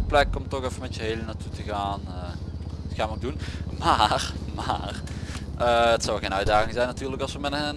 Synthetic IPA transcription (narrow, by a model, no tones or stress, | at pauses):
plɛkɔmtɔxɛfənmɛtjəɦejlənatutəɣaːnətxaːnʋəok̚dunmaːrmaːrʔəətsɔwɛlxejnœɥdaːɣɪŋzɛjnatyːrləkɑlˠsʋəmɛt